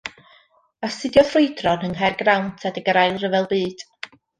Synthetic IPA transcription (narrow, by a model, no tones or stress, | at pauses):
asɨdjɔθrujdrɔnəŋɦarɡrawntʰadəɡəɾajlˠrəvɛlˠbɨːd̥